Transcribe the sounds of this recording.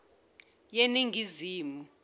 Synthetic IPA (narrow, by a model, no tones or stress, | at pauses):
jeniŋiziːmu